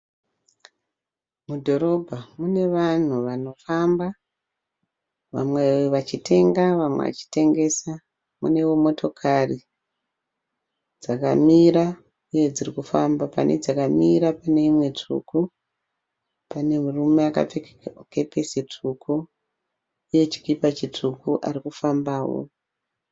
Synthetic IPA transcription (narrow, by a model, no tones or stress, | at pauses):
mudʱo̞ɾo̞bʱamune̞ʋan̤uʋano̞famba | ʋa̰mweʋat͡ʃitʰe̞ŋɡaʋamwḛʋa̰t͡ʃi̥te̞ŋɡe̞sa | mṵne̞womo̞to̞kʰari | d͡zaka̰miɾa | ijed͡zirikufambapa̰nʔḛd͡zakamiɾapane̞imwe̞t͡ʂṵku | pane̞murume̞aka̰p͡fek | ke̞pe̞sit͡ʂʰuku | ije̞t͡ʃi̥kipat͡ʃitukuʔarikufambaːwo̰